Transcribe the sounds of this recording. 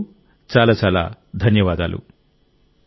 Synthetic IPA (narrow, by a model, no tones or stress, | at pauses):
t͡ʃaːlaːt͡ʃaːla̰ːd̪ʱɐnjɐʋaːd̪a̰ːlṵ